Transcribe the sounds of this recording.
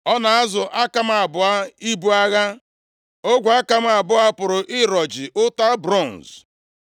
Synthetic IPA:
ɔ˦na˨a˦zʊ˨ʔa˦ka˨m̩˦a˨bʊ˨a˦i˦bu˦a˦ɣa˦ | o˦ɡʷa˦ka˨m̩˦a˨bʊ˦a˦pʊ˨ɾʊ˨ʔɪ˦ɾɔ˨d͡ʒɪ˨ʔʊ˦ta˦bɾɔ˦˨n˨z

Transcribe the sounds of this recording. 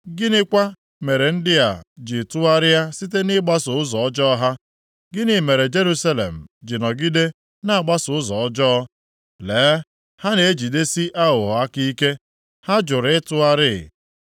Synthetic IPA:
ɡɪ˦nɪ˦kʷa˦ | me˨ɾe˨n̩˦dɪ˦ja˨d͡ʒɪ˨tʊ˦a˦ɾɪ˦ja˦si˦te˦nɪ˦ɡ͡ba˦sʊ˨ʊ˦zɔ˨ɔ˦d͡ʒɔ˦ɔ˦ɦa˦ | ɡɪ˦nɪ˨me˨ɾe˨d͡ʒe˦ɾu˦sa˦lḛ˨m̩˨d͡ʒɪ˨nɔ˨ɡɪ˦de˦ | na˦a˨ɡ͡ba˦sʊ˨ʊ˦zɔ˨ɔ˦d͡ʒɔ˦ | leː˨˦ | ha˦ne˨e˦d͡ʒi˨de˦si˦ʔa˦ɦʊ˨ɦɔ˨a˦ki˦ke˦ | ha˦d͡ʒʊ˨ɾɪ˨˦tʊ˦a˦ɾɪ˦˨

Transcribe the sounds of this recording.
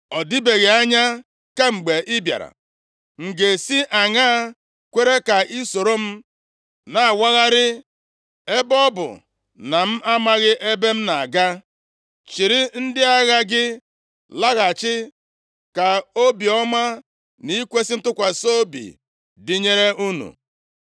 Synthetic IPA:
ɔ˨di˦be˨ɣe˨a˦ɲa˦ | ka˦ŋ͡m̩˨ɡ͡be˨ʔɪ˦bja̰˨ɾa̰˨ | ŋ̩˨ɡe˨si˦ʔa˨ŋa˦ | kʷe˦ɾe˦ka˨i˦so˨ɾo˦m̩˦ | na˨a˨wa˦ɣa˦ɾɪ˦ | e˦bɔ˦bʊ̰˨ | na˨m̩˦ʔa˦ma˦ɣɪ˦ʔe˦be˦m̩˦na˨ɡa˦ | t͡ʃi˨ɾɪ˦n̩˦dɪ˦a˦ɣa˦ɡɪ˦ | la˦ɣa˨t͡ʃɪ˦ | ka˨o˦bi˨ɔ˦ma˦ | ni˦kʷe˦sɪ˦n̩˦tʊ˦kʷa˨so˦bḭ˨ | dɪ˦ɲe˦ɾe˦u˦nṵ˨

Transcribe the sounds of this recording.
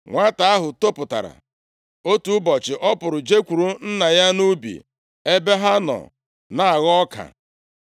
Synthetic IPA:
ŋʷa˦ta˨a˦ɦʊ˨to˦pʊ˨ta̰˨ɾa̰˨ | o˦tu˦bɔ˨t͡ʃɪ˨ʔɔ˦pʊ˨ɾʊ˨d͡ʒe˦kʷu˨ɾu˦n̩˦na˨ja˦nu˦bḭ˨ | e˦be˦ɦa˦nɔ̰˨ | na˨a˨ɣɔ˦ka̰˨

